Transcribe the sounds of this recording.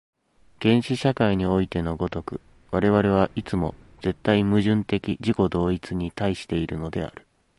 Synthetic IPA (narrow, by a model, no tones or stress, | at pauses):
ɡ̥ẽ̞ɰ̃ɕiɕakaiɲ̟io̞it̪e̞no̞ɡo̞t̪o̞kɯ̟̰ | βaɾe̞β̞aɾe̞β̞aʔit͡sɨmo̞ | d͡ze̞t̪ːaimɯ̟ʑɨ̃nt̪e̞kʲiʑiko̞d̪o̞ːit͡sɨɲ̟it̪aiɕi̥t̪e̞iɾɯ̟no̞d̪e̞̰a̰ɾɯ̟̥